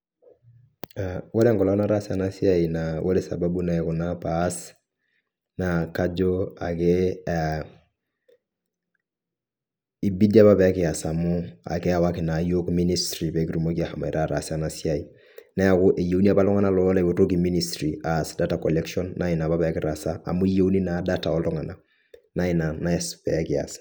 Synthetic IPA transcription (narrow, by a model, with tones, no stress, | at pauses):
awo˦ɾɛ˦ŋkɔ˨la˦na˦ɾa˦sia˨nasi˦a˦i˨na˨wʔo˦ɾe˦sa̰˨ba˦bu˦na˦ɛ˨ku˨na˦pas | na˨ka˦d͡ʒo˦a˨ke˦a | i˨bi˦da˦ba˦bɛ˨a˦kɪ˨a˨sa˨mʊ˦a̰˨kɛ˦a˨waki˨na˨jo˦kmi˦nistɾi˨be˨ki˦ɾu˨mo˦ki˦a˦ha˨ma˨i˨ɾʔa˦ɾa˨sa˦nasia˨i | nɛ˦a˨kʊ˦ʔe˨je˨˦u˦ni˦a˦pa˦lɔ˦ŋa˦nalɔ˦la˦i˨bo˨to˦k̬i˨mi˦nistɾiasda˦takɔlɛ˦kʃɔ˦nːʔa˦i˨na˨ba˦bɛ˨a˦ki˨ɾasa˦a̰˨mu˦i˦je˦wni˦na˨da˦ta˨ɔ˦lɔ˦ŋa˨na | na˦ina˨na˦spɛ˨aki˨a̰˨sḁ